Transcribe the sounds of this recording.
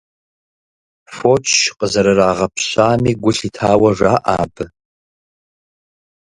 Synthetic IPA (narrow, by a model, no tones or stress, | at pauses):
fot͡ʃʰqʼəzɐɾɨɾaːʁɐpʰɕaːmiːɡʷʊɬiːtʰaːwɐʐaːʔa̰ːbɨ